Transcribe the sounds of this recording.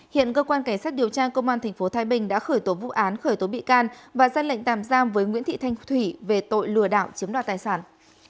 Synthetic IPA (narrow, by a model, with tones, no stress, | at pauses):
hḭ˧˨ənkəː˧kwaː˧nka˧˩jŋsaː˦˥t̚ɗi˨˩əwt͡ɕaː˧kə˧wŋ͡mʔaː˧nt̪ʰɛ˨˩jŋ̟fo˨˦t̪ʰaː˨˦jɓï˨˩ŋ̟ɗa̰ː˧˥xəː˧˩jt̪o˨˦vṵ˧˨ʔaː˨˦nxəː˧˩jt̪o˨˦ɓḭ˧˨kaː˧nvaː˨˩zaː˧lə̰˧˨ŋ̟t̪aː˧˩mzaː˧mvəː˨˦jŋwḭ˧˥nt̪ʰḭ˧˨t̪ʰa˧jŋ̟t̪ʰwi˧˩ve˨˩t̪o̰˧˨jlɨ˧˩əɗa̰ː˧˨wt͡ɕi˨˦nɗaː˧˨nt̪aː˨˩jsaː˧˩n